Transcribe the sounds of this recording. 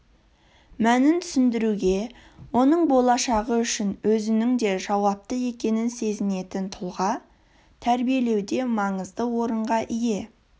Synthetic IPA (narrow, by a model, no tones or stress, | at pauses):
mænɪnt̪ʰʏ̥sɪnd̪ɪɾuɡʲe̞ | wo̞nəɴbo̞lˠɑʃɑʁəʏʃɪnwɵzɪnɪŋd̪e̞ʒɑwɑp̚t̪əe̞kʲe̞nɪnse̞zɪne̞t̪ɪnt̪ʰʊlˠʁɑ | t̪ʰæɾbije̞le̞wd̪e̞mɑɴəzd̪əwo̞ɾəɴʁɑʔije̞